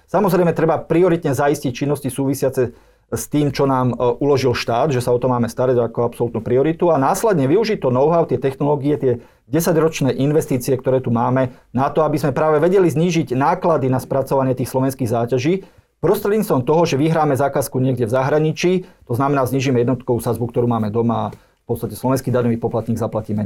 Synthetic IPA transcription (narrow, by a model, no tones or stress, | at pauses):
samɔzɾɛɪmɛt̪ɾɛbapɾiɔɾit̪ɲɛzaiscic̚t͡ʃinːɔscisuːʋisɪat͡sɛ | st̪iːmt͡ʃɔnaːmʔulɔʒilʃt̪aːd̪ʒɛsaɔt̪ɔmaːmɛst̪aɾaɟakɔapsɔlut̪nuːpɾiɔɾit̪uanaːslɛd̪ɲɛʋiuʒit̪ɔnɔʊɦaʊt̪ɪɛt̪ɛxnɔlɔːɡiɛt̪ɪɛ | ɟɛsaɟɾɔt͡ʃnɛːʔinʋɛst̪iːt͡siɛkt̪ɔɾɛːt̪umaːmɛ | nat̪ɔabizmɛpɾaːʋɛʋɛɟɛlizɲiːʒiɟnaːklad̪inaspɾat͡sɔʋaɲɪɛt̪iːxslɔʋɛnskiːɣzaːcaʒiː | pɾɔst̪ɾɛd̪ɲit͡st̪ʋɔmt̪ɔɦɔʒɛʋiɦɾaːmɛzakaskuɲɪɛɡɟɛvzaɦɾaɲit͡ʃiːt̪ɔznamɛnaːzɲiːʒimɛjɛd̪nɔt̪kɔusazbukt̪ɔɾuːmaːmɛd̪ɔmaː | fpɔtt͡st̪acɛslɔʋɛnskiːd̪aɲɔʋiːpɔplat̪ɲiːɡzaplaciːmɛ